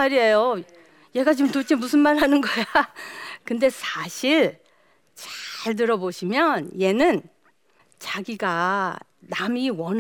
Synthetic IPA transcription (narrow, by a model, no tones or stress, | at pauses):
aɾiejo | je̞ɡat͡ɕɯmtot͡ɕʰemusʰɯnmaɭɦanɯnɡʌja | kɯnde̞sʰaɕʰiɭ | t͡ɕḁɭt̬ɯɾʌboɕʰimjʌnje̞nɯn | t͡ɕaɡiɡa | namiwʌn